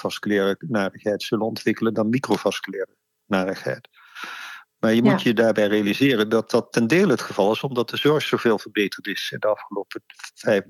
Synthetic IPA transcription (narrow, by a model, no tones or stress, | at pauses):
v̥ɑskylɪːrənaːdəχɦɛjtsɵlənɔntʋɪkələndɑnmikrovɑskylɪːrə | naːdəχɦɛ̰jt | maːɹjəmutjədaːɹbɛjrejalizɪːrəndɑt̚ɑtːɛndeːləɦətχəvɑlˠɪsɔmdɑt̚d̥əzɔɹssowveːlˠvəɹbejtəɹtɪsɪndəɑfχəlowpəvɛj